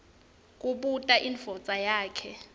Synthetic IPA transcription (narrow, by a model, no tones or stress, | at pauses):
k̬ʼuɓutʼaʔinfɔt͡sʼajaːkʰɛ